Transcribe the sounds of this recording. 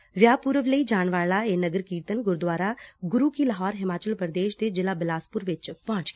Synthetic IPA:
ʋjaːpʊɾəʋləiːd͡ʒaːɳʋaːɭaːeːnəɡəɾkiːɾt̪ənɡʊɾd̪waːɾaːɡʊɾuːkiːləɦɔːɾɦɪmaːt͡ʃəlpɾd̪eːʃd̪eːd͡ʒɪlaːbɪlaːspʊɾʋɪt͡ʃpãːɲt͡ʃː

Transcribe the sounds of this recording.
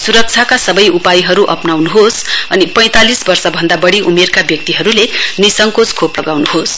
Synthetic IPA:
suɾʌk̚t͡sʰjakasʌbʌjupajɦʌɾuʔʌ̰pnawnuɦosʌ̰nipʌ̃j̃t̪alisbʌrsʌbʱʌnd̪abʌɽiʔumerkabjʌk̚t̪iɦʌɾulenisʌŋkot͡skʰoplʌɡawnuɦos

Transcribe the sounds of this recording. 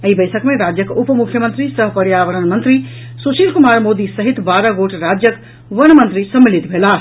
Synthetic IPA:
əɦibəɪsʰəkmẽɾad͡ʒjəkupmukʰjəmə̃nt̪ɾisəɦpəɾjaʋəɾənmənt̪ɾi | susilkumaɾmod̪isəɦit̪baɾəɡoʈɾad͡ʒjək | ʋəñmə̃nt̪ɾisəmːilit̪bʱela

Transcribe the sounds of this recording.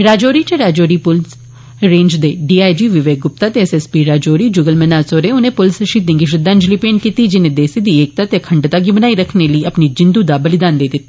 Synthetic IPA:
ɾaːd͡ʒoːɾiːt͡ʃeɾaːd͡ʒoːɾiːpʊls | ɾẽːɲd͡ʒd̪eːɖiːaːid͡ʒiːʋɪʋeːk̚ɡʊp̚t̪aːt̪eɛsɛspiːɾaːd͡ʒoːɾiːd͡ʒuːɡəlmɛnaːsoːɾeːʊnẽːpʊlsəʃiːd̪ɪ̃ŋɡiʃɪd̪aːnd͡ʒliːpeːɳkiːt̪iːd͡ʒɪnẽːd̪eːsiːd̪iːeːk̚t̪aːt̪ekʰəɳɖt̪aːɡibənaːiɾəkʰneləiːəpnid͡ʒɪ̃nd̪uːd̪aːbəlɪd̪aːnd̪eːd̪ɪt̪ː

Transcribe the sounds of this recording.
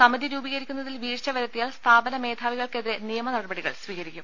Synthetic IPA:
sɐmɐd̪ʱiɾuːbiɣɐɾikʲːunːɐðilʋiːrt͡ɕɐʋɐɾɐt̪ːijaːɭst̪ʰaːbɐnɐme̞ːd̪ʱaːʋiɣɐɭke̞ðiɾe̞nijɐmɐnɐɽɐbɐɽiɣɐ̰ɭsʋiːɣɐɾikʲːum

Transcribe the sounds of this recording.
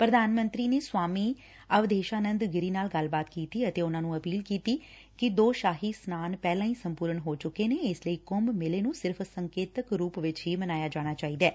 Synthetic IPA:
pɾəd̪aːnmə̃nt̪ɾiːneːswaːmiː | əʋd̪eːʃaːnənd̪ɡɪɾiːnaːlɡəlbaːt̪kiːt̪iːət̪eːʊnãːnũːəpiːlkiːt̪iː | kɪd̪oːʃaːɦiːsnaːnpɛːlãːĩːsəmpuːɾəɳɦoːt͡ʃʊkːeːneːɪsləiːkʊmbmɪleːnũːsɪɾpʰsəŋkeːt̪əkɾuːpʋɪt͡ʃɦiːmənaːjaːd͡ʒaːɽ̃aːt͡ʃaːiːd̪ɛː

